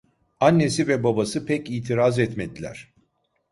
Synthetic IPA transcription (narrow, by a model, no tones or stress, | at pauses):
anːe̞sivɛbabasɯpʰɛciːt̪ʰiɾazɛt̪med̪ilʲæ̰ɾ̥